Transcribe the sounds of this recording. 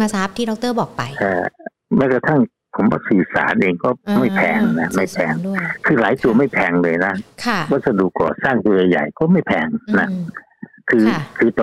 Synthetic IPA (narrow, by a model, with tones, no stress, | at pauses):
maː˧saː˦˥p̚t̪ʰiː˥˩ɔ˨˦k̚t̪ɤː˥˩bɔː˨˩k̚pa˧jʔaː˧˩ | maː˥˩ka˧t̪ʰa˥˩ŋ | pʰo˩˦mwaː˧˩sɯː˨˩sa̰ː˩˦nʔeː˧ŋkɔː˥˩ma˥˩jpʰɛː˧ŋna˦˥ma˥˩jpʰɛː˧ŋkʰɯː˧laː˨˩˦jt̪u˧ɐma˥˩jpʰɛː˧ŋlɤː˧jna˦˥kʰa˥˩wɔː˥˩sa˧du˨˩kːɔ̰ː˨˩saː˥˩ŋt̪u˧ɐja˨˧ja̰˨˩jkɔː˥˩ma˥˩jpʰɛː˧ŋna˦˥ | kʰɯː˧kʰɯː˧t̪ː